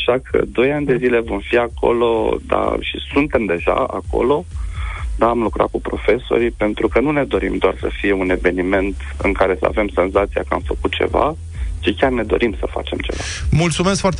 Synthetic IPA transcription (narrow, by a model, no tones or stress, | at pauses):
aʃakʰə̰d̪o̞janʲd̪e̞zile̞vo̞mfiako̞̰lo̞̰d̪a̰ʃḭsunt̪e̞md̪e̞ʒa̰a̰ko̞̰lo̞ | d̪aːmlukɾa̰t̪̚kupɾo̞fe̞so̞̰ɾipe̞nt̪ɾukənune̞d̪o̞ɾḭmd̪oarsəfije̞une̞ve̞nime̞nt̪ | ɨ̰ŋkaɾe̞səa̰ve̞mse̞nzat̪sija̰kəamfəkut̪̚t͡ʃe̞̰va̰ | t͡ʃikʲarne̞d̪o̞̰ɾʔimsəfa̰t͡ʃe̞mt͡ʃe̞̰vamult̪sumes̬kfoart̪